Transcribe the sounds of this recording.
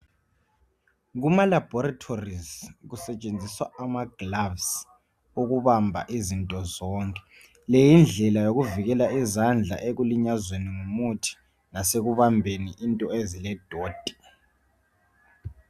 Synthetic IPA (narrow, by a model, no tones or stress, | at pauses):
ɣumalab̥ʱɔɾatʰorizɣusɛt͡ʃʼend͡zʱiswaamaɡ̥lavs | uɣuβambʱa̰ʔizintʼɔzɔːŋkʼɛ̥ | lejind͡ɮʱɛlajoɣuviɣɛlaizand͡ɮʱa̰ʔeɣuliɲazweniŋumutʰi̥ | naseɣuβambʱeniʔintʼɔezilɛd̥ʱoːd̥ʱi̥